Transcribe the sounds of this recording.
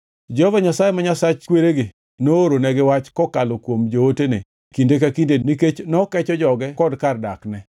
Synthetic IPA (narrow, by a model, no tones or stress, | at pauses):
d͡ʒɛhɔvaɲasajemaɲasat͡ʃkweɾeɡɪ | nooɾonɛɡɪwat͡ʃkɔkalokwomd͡ʒootene | kindekakindeniket͡ʃnɔkɛt͡ʃɔd͡ʒɔɡɛkɔdkardaknɛ